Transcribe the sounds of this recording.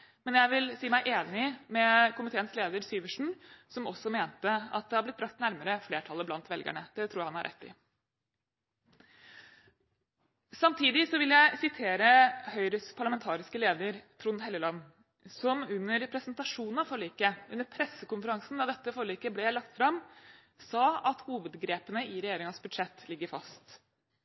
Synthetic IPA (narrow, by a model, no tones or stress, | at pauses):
mɛnjæɪʋɪlsiːmæɪʔeːnɪmɛkʰʊmɪt̪ʰeːənsleːd̪əɾsyːʋəʂɳ̩sɔmɔsːɔmeːnt̪əɑ̰t̪̚d̪ɛhɑblɪt̪̚bɾɑkt̪næɾməɾəfleːʈʰɑlːəblɑnt̪ʋɛlɡæ̰ɳəd̪̥ɛt̪ʰɾuːjæhɑnhɑ̰ɾʔɛ̰t̪ːɪ̰ | sɑmt̪ʰiːd̪ɪsɔʋɪljæɪsɪt̪ʰeːɾəhœʏɾəspʰɑɭɑmɛnt̪ʰɑːɾɪskəleːd̪əɾt̪ʰɾʊnɦɛlːəlɑnː | sɔmʉnːəɾpʰɾɛsnt̪ɑʂuːnn̩ɑʋfɔɭiːkəʉnːəɾpʰɾɛsəkʊnfəɾɑŋsn̩d̪ɑd̪ɛt̪ːəfɔɭiːkəblɛjæɪlɑkt̪fɾɑm | sɑːɑt̪huːʋəd̪ɡɾeːpənəɪɾɛjeːɾɪŋəsbʉd̪ʂɛt̪ːlɪɡːəɾfɑ̰st̪